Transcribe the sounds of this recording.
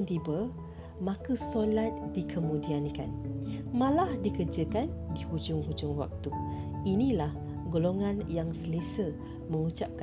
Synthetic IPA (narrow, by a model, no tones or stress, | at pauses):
nt̪ibə | mãkəsolat̪̚dikʰəmũdiankanmãlahdikərd͡ʒəkandihud͡ʒʊŋɦud͡ʒʊŋwa̰k̚t̪uinĩlah | ɡoloŋãnjaŋsəlesə | mə̃ŋut͡ʃap̚k